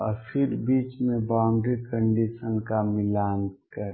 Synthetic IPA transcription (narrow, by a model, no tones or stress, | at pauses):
ɔɾfʰɪɾbiːt͡ʃmẽbãːɳɖɾikə̃ɳɖiʃənkamɪlaːnkəɾ